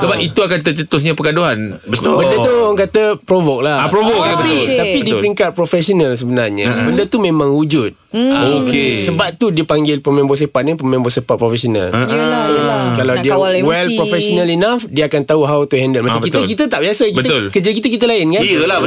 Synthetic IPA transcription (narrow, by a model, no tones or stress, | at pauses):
səbap̚it̪uakant̪ət͡ʃət̪ʊs̬ɲapəkadoɦanbətbədət̪uaŋkat̪əpɾovok̚laapɾovokabət̪ot̪apidipɾiŋkat̪̚pɾofɛsonə̃ls̬əbənarɲa̰bəndət̪umẽmãŋud͡ʒut̪̚okessəbap̚t̪udiəpaŋɡɪlpəmẽmbos̬epat̪̚nipəmẽmbosepat̪̚pɾofɛsona̰lsəlakalawdiwɛlpɾofɛsonãlinafdiəakant̪auɦawt̪uɦɛndəlmat͡ʃaməkit̪əkit̪ət̪aʔbiasəkibət̪ʊlkəd͡ʒakit̪əkit̪əlaɪnkaəl